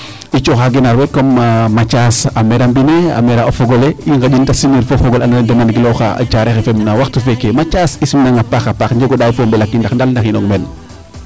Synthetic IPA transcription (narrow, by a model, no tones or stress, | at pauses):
it͡ʃoxaɡenaɾwekːommat͡ʃasameɾambinea̰meɾaofoɡɔleiŋɡad͡ʒindasimiɾfofɔɡolanadɐmanɡiloxa̰a̰t͡ʃaɾexefemnawaxtufekemat͡ʃasisimnaŋapaxapaxɲd͡ʒeɡodawfombɛlakːindaxndalndaxinɔŋmɛn